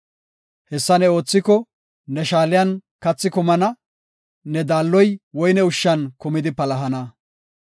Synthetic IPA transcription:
hɛsːɐnɛo̞ːt͡sːɪkɔ | nɛʃaːlɪjɐn | kɐt͡sːɪkʊmɐnɐ | nɛd̪aːlːɔjwɔjnɛʊʃːɐnkʊmɪd̪ɪpɐlɐɦɐnɐ

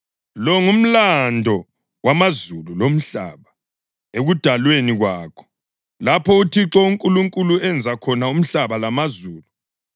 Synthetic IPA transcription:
lɔŋum̩landʱɔ | wamazululom̩ɬa̰ːβa | eɣud̥ʱalweniɣwaːkʰɔ̥ | lapʰɔutʰiǁɔuŋkʼuluŋkʼuluɛnd͡zʱakʰɔnaum̩ɬaβalamazuːlu

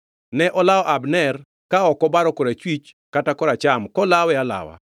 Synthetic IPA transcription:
nɛʔɔlaɔʔabnɛr | kaɔkɔbaɾɔkoɾat͡ʃwit͡ʃ | katakɔɾat͡ʃamkɔlawɛala̰wa̰

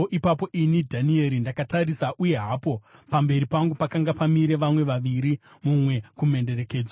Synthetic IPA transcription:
ʔipapo̞ʔinidʱanie̞ɾindakatarisaʔuje̞ɦapo̞pambe̞ɾipaŋɡupakaŋɡapamiɾe̞ʋamwe̞ʋaʋiɾi | mumwe̞kume̞nde̞ɾe̞ke̞ːd͡zwa

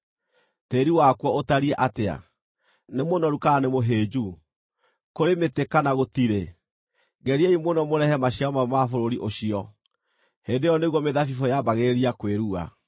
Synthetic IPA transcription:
teɾiwakwɔotaɾiɛʔatea̰ | nemonɔɾukaanemoɦeːd͡ʑu | koɾemetekanaɣotiɾe | ɡɛɾieimonɔmoɾɛhɛmaɕiaɔmamafoɾoɾiʔoɕiɔ | hendejɔneɣwɔmeðafifɔjabaɣeɾeɾiakweɾua̰

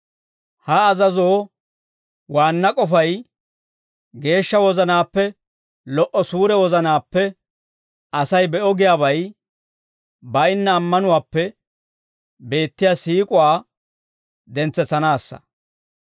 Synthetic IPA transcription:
hɐːzɐzoː | waːnːɐkʼɔfɐj | ɡe̞ːʃːɐwɔzɐnaːpːɛ | lɔʔɔsuːɾɛwɔzɐnaːpːɛ | ɐsɐjbɛʔɔɡɪjaːbɐj | bɐjɪnːɐːmːɐnʊwaːpːɛ | be̞ːt̪ːɪjaːsiːkʼʊwaː | d̪ɛnt͡sːɛt͡sːɐnaːsːɐ̰

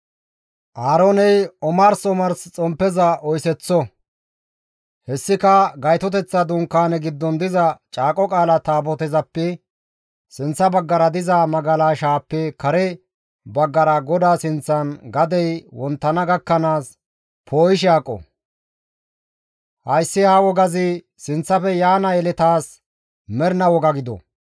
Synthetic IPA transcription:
ʔaːɾonɛjɔmɐɾsɔmɐɾst͡sʼɔmpːɛzɐʔɔjsɛt͡sːɔ | hɛsːɪkɐɡɐjt̪ɔt̪ɛt͡sːɐd̪ʊŋkːaːnɛɡɪd̪ːɔnd̪ɪzɐt͡ʃʼaːkʼɔkʼaːlɐt̪aːbɔt̪ɛzɐpːɛ | sɪnt͡sːɐbɐɡːɐɾɐd̪ɪzamɐɡɐlaːʃaːpːɛkɐɾɛ | bɐɡːɐɾɐɡɔd̪aːsɪnt͡sːɐnɡɐd̪ɛjwɔnt̪ːɐnɐɡɐkːɐnaːs | pʰo̞ːjɪʃ̬aːkʼːɔ̰ | hɐjsːɪhaːwɔɡɐzɪ | sɪnt͡sːɐfɛjaːnɐjɛlɛt̪aːs | mɛɾnɐwɔɡɐɡɪd̪ɔ̰

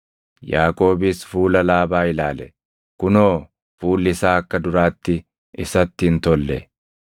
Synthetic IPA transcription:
jaːkʼo̞ːbɪsfuːlɐlaːbaːɪlaːlɛ̰ | kʊnoː | fuːlːɪsaːɐkːɐd̪ʊɾaːt̪ːɪ | ɪsɐt̪ːɪnt̪ɔlːɛ

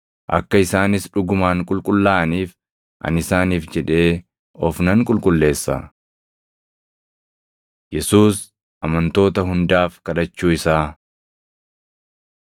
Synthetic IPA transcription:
ʔɐ̰kːɐɪsaːnɪsᶑʊɡʊmaːŋkʼʊlkʼʊlːaːʔɐniːf | ʔɐ̰nɪsaːniːfd͡ʒɛᶑe̞ː | ɔfnɐŋkʼʊlkʼʊlːe̞ːsːɐ̰ | jɛsuːs | ɐmɐnt̪o̞ːt̪ɐɦʊnd̪aːfkɐᶑɐt͡ʃːuːɪsaː

